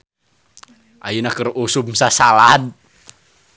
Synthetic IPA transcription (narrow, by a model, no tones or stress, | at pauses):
ʔajunakərusʊmsasalad̚